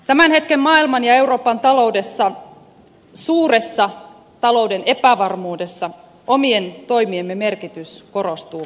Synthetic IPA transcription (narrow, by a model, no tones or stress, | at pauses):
t̪æmænhe̞t̪kemmɑːilmɑnjɑe̞uro̞ːpɑnt̪ɑlo̞wde̞sːɑ | suːre̞sːɑ | t̪ɑlo̞udene̞pæʋɑrmuːde̞sːɑ | omient̪o̞jmiemːeme̞rkit̪ysko̞rost̪uː